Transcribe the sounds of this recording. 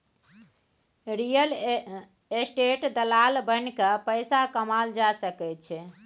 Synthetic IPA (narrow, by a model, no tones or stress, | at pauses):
ɾijəl | esʈeʈd̪əlalbənkəpəɪsakəmald͡ʒasəkɛt̪t͡ʃʰɛ